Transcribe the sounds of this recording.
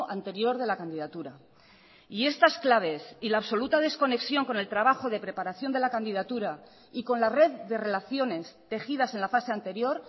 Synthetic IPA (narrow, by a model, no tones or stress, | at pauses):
ʔant̪e̞ɾjo̞ɾð̞e̞lakand̪iðat̪uɾa | ie̞st̪asklaβ̞e̞silaːβso̞lut̪að̞e̞sko̞ne̞ksjo̞ŋko̞ne̞lt̪ɾaβaxo̞ð̞e̞pɾe̞paɾaθjo̞nd̪e̞lakand̪iðat̪uɾa | iko̞nlare̞ððe̞re̞laθjo̞ne̞st̪e̞xiðase̞nlafase̞ant̪e̞ɾjo̞ɾ